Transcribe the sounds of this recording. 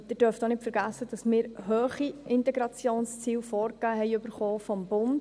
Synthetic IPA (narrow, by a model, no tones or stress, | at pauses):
d̥̪ɪːd̥œɾftonɪtfəɾɡæsːəd̥ɑsmɪːɾɦøːχiɪntɛɡɾɑt͡sjoːnst͡siːwfɔːɾkɡ̥æːɦɛɪɵbəɾχɔːfɔmbʊnd̥